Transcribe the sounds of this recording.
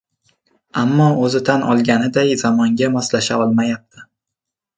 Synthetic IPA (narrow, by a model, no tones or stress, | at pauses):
amːɒɵzɪt̪ʰanɒ̰lˠɡʲanɪd̪ajzamɒŋɡʲamɒslaʃaɒlˠmajap̚t̪ʰɪ